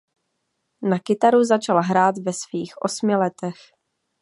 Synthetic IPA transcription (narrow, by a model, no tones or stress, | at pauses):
nakɪt̪aɾuzat͡ʃalɦɾaːt̪vɛsviːxʔo̞smɪlɛt̪ɛx